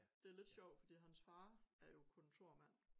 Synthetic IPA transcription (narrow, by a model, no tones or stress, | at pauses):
d̥e̝æɐle̝d̥ɕɒʊ̰d̥fɒd̥ḭːɦænsfɑ̈ːæɐjo̝kʰɔ̽nt͡sʰo̝ɐ̰mæn̰